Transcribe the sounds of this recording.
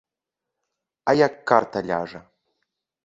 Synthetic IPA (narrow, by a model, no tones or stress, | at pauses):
ajakːart̪ʰalʲa̰ʐɐ